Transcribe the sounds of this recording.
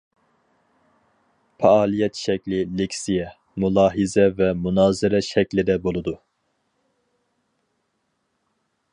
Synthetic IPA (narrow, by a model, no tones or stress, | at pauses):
pʰɑɑːlˠijɛt̪ʃɛkʲlɪlekʲsijɛ | mulˠɑːɦizɛvɛmunɑːzɪɾɛʃɛkʲlɪd̪ɛbolˠud̪u